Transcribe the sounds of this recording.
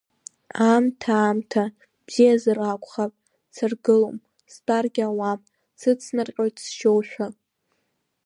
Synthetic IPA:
amtʰaːmtʰa | b̥z̥ijazɨrakʷʰʼχapʼ | sɨrɡɨlom | spʼarɡʲawa | sɨt͡sʰnarqʲʼoɥtʰʼsʃowħᶣʷa

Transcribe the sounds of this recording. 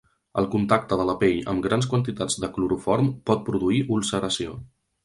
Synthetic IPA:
ə̰lˠkunt̪ak̚t̪əðələpeʎə̰mɡɾanskwənt̪it̪ad͡zd̪əkluɾufɔɾmpɔt̪̚pɾuðuiʔulˠsəɾəsio

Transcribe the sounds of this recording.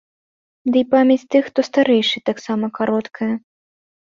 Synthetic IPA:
d̪ɨipamʲɛt͡sʲt̪ɨxt̪ɔst̪aɾɛjʂɨt̪aksamɐkaɾɔt̪kʰɐjɐ

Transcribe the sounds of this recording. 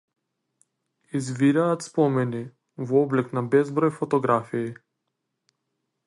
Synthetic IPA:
izviɾaːt̪spɔmɛni | vɔɔblɛknabɛzbɾɔjfɔt̪ɔɡɾafiː

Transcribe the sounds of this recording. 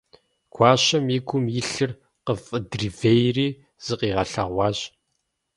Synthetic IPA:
kʷʰɑːɕɐmiɡʷʰʊmjɪɬɨr | qəfʼɨdrivejriː | z̥ɨqiːʁɐɬɐ̰ʁʷɑːɕ

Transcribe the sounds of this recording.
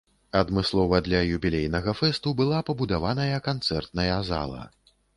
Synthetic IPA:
ɐd̪mɨslˠɔvɐd̪lʲɐjubʲilʲejnɐɣɐfɛst̪ubɨlˠapɐbud̪avanɐjɐkant̪sɛrt̪nɐjɐza̰lˠɐ̰

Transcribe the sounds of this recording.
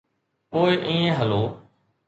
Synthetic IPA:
poːɪʔĩːẽːɦəloː

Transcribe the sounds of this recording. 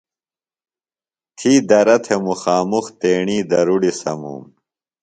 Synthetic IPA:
t̪ʰiːd̪ɐɾɐt̪ʰemuxaːmuxt̪eːɳiːd̪ɐɾuɽisɐ̰mṵːm

